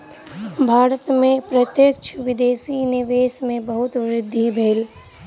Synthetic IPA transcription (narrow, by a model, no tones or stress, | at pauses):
bʱaːɾət̪mẽpɾət̪jəkt͡ʃʰʋɪd̪eːsinɪʋeːsmẽbəɦʊt̪ʋɾɪd̪ʱːibʱeːl